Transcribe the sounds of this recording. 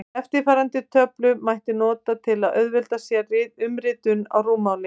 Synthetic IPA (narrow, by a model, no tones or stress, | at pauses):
ɛft̪ɪɾfaːɾant̪ɪt̪ʰœplʏmajht̪ɪnɔːt̪at̪ʰɪlaðʔœɥðvɪlt̪asjɛrɪːt̪ʏmɾɪːt̪ʏna̰wruːmaːwlɪ